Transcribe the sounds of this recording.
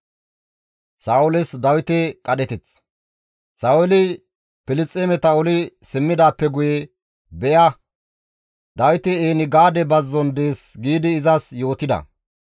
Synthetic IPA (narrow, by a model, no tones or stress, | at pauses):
saːʊlɪsd̪ɐwɪt̪ɛkʼɐɗɛt̪ɪt͡s | sawɛlɪ | pɪlɪt͡sʼːeːmɛt̪ɐʊlɪsɪmːɪd̪aːpːɛɡʊjɛ | bɛjɐ | d̪ɐwɪt̪ɛeːnɪɡaːd̪ɛbɐzːɔnd̪eːsɡiːd̪ɪːzɐsjo̞ːt̪ɪd̪ɐ̰